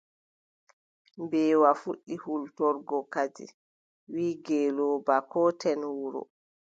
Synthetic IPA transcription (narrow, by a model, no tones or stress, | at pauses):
mbɛːwafuɗːihultɔɾɡɔkad͡ʒḭ | wiːɡɛːlɔːbakɔtɛnwuɾɔ̰